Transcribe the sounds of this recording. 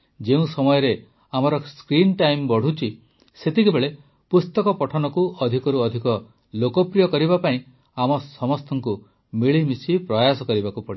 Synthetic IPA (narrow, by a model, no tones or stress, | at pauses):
d͡ʒeũsɔmɔjɔɾe | amɔɾɔskɾinʈajmbɔɽ̤ut͡ʃʰi | set̪ikebeɭe | pust̪ɔkɔpɔʈʰɔnɔkuɔd̪ʱikɔɾuɔd̪ʱikɔ | lokɔpɾijɔkɔɾibapaĩ | amɔsɔmɔst̪ʰɔŋku | miɭimisipɾɔjasɔkɔɾibakupɔɽi